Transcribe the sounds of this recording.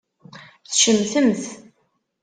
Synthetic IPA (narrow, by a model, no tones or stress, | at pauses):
θʃəmθəmθ